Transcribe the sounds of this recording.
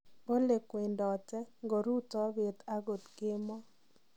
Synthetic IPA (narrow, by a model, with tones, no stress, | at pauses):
bo˦le˨kwe˨ndɔ˨tɛ˦ŋɡo˨ɾu˦tɔ˦we˨t̪a˦ɡo˨t̪ɡɪ˦mɔ˦